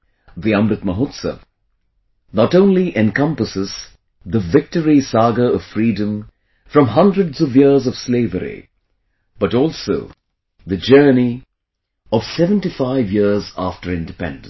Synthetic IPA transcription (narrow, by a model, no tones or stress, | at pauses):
ðiʌ̃mɾɨt̪̚məɦot̪sə̰v | nɔtõʊ̃nliʔɛ̃nkʌ̃mpəsɨz | ðəvɪk̚təɹisɑɡəʌv̥fɾiːdə̃m | fɹʌ̃mɦʌ̃ndɹədzʌvjiɹzʌv̥sleɪvəɾḭ | b̥ʌtɔlˠso̰ʊ | ðɨd͡ʒɜ˞ni | ʌv̥sɛvə̃ntifaɪvjiɹza̰ftə˞ɪ̃ndɨpɛ̰̃nd̃